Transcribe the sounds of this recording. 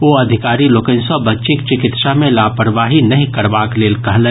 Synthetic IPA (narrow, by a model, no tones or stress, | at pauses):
ʋoːɐd̪ʱɪkaːɾiloːkə̃nsɔbɐtːʃɪkt͡ʃɪkɪt̪ʃamẽlaːpəɾʋaːɦinɐɦĩkɐɾbaːkleːlkɐɦlɛ̃ː